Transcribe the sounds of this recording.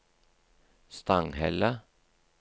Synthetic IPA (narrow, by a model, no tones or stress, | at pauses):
st̪ɑŋhɛlə